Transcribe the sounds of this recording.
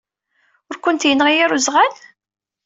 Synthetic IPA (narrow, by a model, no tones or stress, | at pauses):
ʊɾkʷənt̪jənːʁijaɾuzʁæl